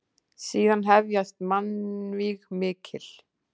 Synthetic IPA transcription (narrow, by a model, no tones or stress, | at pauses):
siːðanɦɛvjast̪manviɣmɪːcʰɪl̥